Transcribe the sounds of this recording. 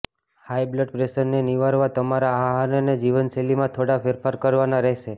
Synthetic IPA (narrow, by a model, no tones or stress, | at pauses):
hajbləʈpɾeʃəɾneniʋaɾʋat̪əmaɾaaːɦanəned͡ʒiʋənselimãt̪ʰoɽapʰeɾfaɾkəɾʋanaɾɛɦʃe